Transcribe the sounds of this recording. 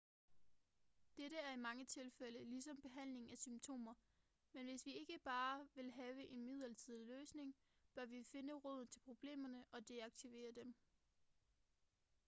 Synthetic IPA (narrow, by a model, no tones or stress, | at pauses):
d̥eɾəæɐimɑ̈ŋət͡sʰe̝lfel̰əlis̬ɒ̽mb̥e̝ɦæn̰le̝ŋæsymt͡sʰo̝̰ːmɐ | menʋe̝sʋie̝ɡ̥əb̥ɑ̈ːʋe̝lɦɛːʊəʔe̝nmið̞ˠɐt͡sʰiðˠiløːsne̝ŋ | b̥ɶɐʋife̝nəʁɔð̞̰ˠn̩t͡sʰe̝lpʰʁo̝b̥le̝̰ːmɐnəʔɒ̽d̥eɑ̈ɡ̥̚t͡sʰiʋe̝̰ːɐd̥em